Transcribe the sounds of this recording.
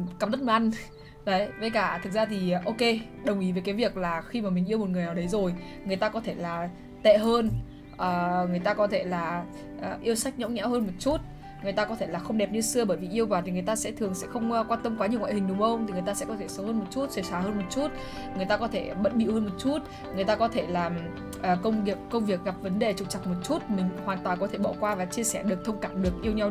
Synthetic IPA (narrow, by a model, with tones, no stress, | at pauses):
ka˨˩ɗə˦˥t̚mə˨˩ʔa˧jŋ | ɗə˨˦jvə˨˦jkaː˧˩t̪ʰɨ˨˩k̚zaː˧t̪ʰi˨˩ʔo˧ke˧ | ɗə˨˩wŋ͡mʔi˨˦vəː˨˦jkaː˨˦jvi˨˩ək̚laː˨˩xi˧maː˨˩mï˨˩ŋ̟i˧əwmo˨˩t̚ŋɨ˨˩əjnaː˨˩wɗə˨˦jzo˨˩j | ŋ˨˩əjt̪aː˧kɔ˨˦t̪ʰe˧˩laː˨˩ | t̪ḛ˧˨ɦəː˧n | ʔəː˨˩ŋɨ˨˩əjt̪aː˧kɔ˨˦t̪ʰe˧˩laː˨˩ | ʔəː˨˩ʔi˧əwsa˦˥k̚ɲə̰˧˥wŋ͡mɲa̰˧˥whəː˧nmo˨˩t̚t͡ɕu˦˥t̚ | ŋɨ˨˩əjt̪aː˧kɔ˨˦t̪ʰe˧˩laː˨˩xə˧ŋ͡mɗɛ˨˩p̚ɲɨ˧sɨ˧əɓəː˧˩jvi˨˩ʔi˧əwvaː˨˩t̪ʰi˨˩ŋɨ˨˩ə˩jt̪aː˧sɛ̰˧˥t̪ʰɨ˨˩əŋsɛ̰˧˥xə˧wŋ͡mkwaː˧nt̪ə˧mkwaː˨˦ɲi˨˩əwŋa̰ː˧˨hï˨˩ŋ̟ɗʊ˨˦ŋ͡mxə˧wŋ͡mt̪ʰi˨˩ŋɨ˨˩əjt̪aː˧sɛ̰˧˥kɔ˨˦t̪ʰe˧˩sə˨˦whəː˧nmo˨˩t̚t͡ɕu˦˥t̚sə˨˧˩saː˨˩həː˧nmo˨˩t̚t͡ɕu˦˥t̚ | ŋɨ˨˩əjt̪aː˧kɔ˨˦t̪ʰe˧˩ɓə̰˧˨t̚ɓḭ˧˨whəː˧nmo˨˩t̚t͡ɕu˦˥t̚ | ŋɨ˨˩əjt̪aː˧kɔ˨˦t̪ʰe˧˩laː˨˩ | ʔəː˨˩kə˧wŋ͡mvi˨˩ək̚ːə˧wŋ͡mvi˨˩ək̚ɣa˨˩p̚və˨˦nɗe˨˩t͡ɕɨ˨˩k͡p̚t͡ɕa˨˩t̚mo˨˩t̚t͡ɕu˦˥t̚mï˨˩ŋ̟hwaː˨˩nt̪waː˨˩nkɔ˨˦t̪ʰe˧˩ɓɔ̰˧˩kwaː˧vaː˨˩t͡ɕi˧əsɛ˧˩ɗɨ˨˩ək̚t̪ʰə˧wŋ͡mkaː˧˩mɗɨ˨˩ək̚ʔi˧əwɲa˧w